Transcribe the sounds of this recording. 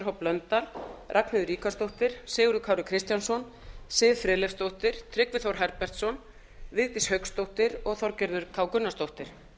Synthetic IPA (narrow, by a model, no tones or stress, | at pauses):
ɾɦɔplœnt̪alrʔaknɪðʏɾiːkast̪owht̪ɪɾ̥sɪːɣʏɾðʏkʰaːwɾʏkʰɾɪst̪jansɔn | sɪːðfɾɛːlɛfst̪owht̪ɪɾ̥t̪ʰɾɪkvɪθowɾ̥ɦɛɾpɛr̥t̪sɔn | vɪðt̪ɪshœkst̪owht̪ɪɾɔɣθɔɾcɛɾðʏɾkʰaːwkʏnːast̪owht̪ɪɾ̥